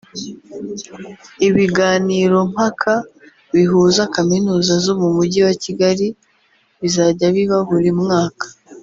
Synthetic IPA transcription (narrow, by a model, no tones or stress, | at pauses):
iβiɡaːniːɾo̞m̥hakʰa | βiɦuːzakaminuːzazo̞mumuɟiwaciɡaɾi | βizaɟaβiβahuɾimŋaːkḁ